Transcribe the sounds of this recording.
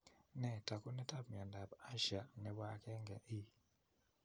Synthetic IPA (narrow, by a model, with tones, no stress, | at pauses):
nɛ˨ta˨ku˦nɛ˦ta˦b̚mja˨nda˨ba˦ʃa˨nɛ˨bwa˨kɛ˦ŋɡɛ˨ʔi˦